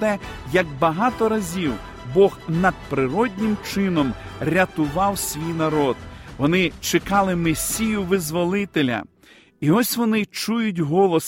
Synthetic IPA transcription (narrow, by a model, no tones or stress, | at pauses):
t̪ɛjɐɡbɐɦɑt̪ɔɾɐzʲiw | bɔxnɐd̪̚pɾɪɾɔdʲnʲɪmt͡ʃɪnɔmɾʲɐt̪ʊʋɑwsʲʋʲijnɐɾɔd̪ʋɔnɪt͡ʃɪkɑlˠɪmɪsʲijʊʋɪzʋɔlˠɪt̪elʲɐ̰ | iɔsʲʋɔnɪt͡ʃujʊtʲɦɔlˠɔs